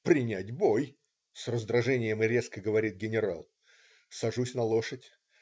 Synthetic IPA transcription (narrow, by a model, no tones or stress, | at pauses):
pɾʲɪnʲætʲbo̞j | srəzd̪ɾɐʐɛnʲɪjəmɨɾʲe̞skəɡəvɐɾʲit̪̚ɡʲɪnʲɪɾa̰lˠ | sɐʐusʲnɐlˠo̞ʂətʲ